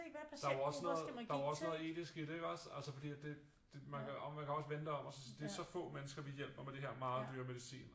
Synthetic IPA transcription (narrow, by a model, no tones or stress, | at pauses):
d̥ɑæɐɒ̽snɔːð̩ˠd̥ɑ̈ɒ̽snɔ̽ːðˠe̝̰ːd̥isɡ̥iɾ̥eɡ̥ɒsæl̰səfɒ̽d̥ḭːæd̥e̝ | d̥emænkʰæɒmænkʰæɒ̽sʋend̥əɒ̽mɒsɒsd̥eæɐsɒ̽fɔ̰̽ːmenəsɡ̥ɐʋijel̰b̥ɐmed̥e̝ɦeɐ̰mɑ̈ːð̩ˠd̥yːɐme̝ðˠisḭːn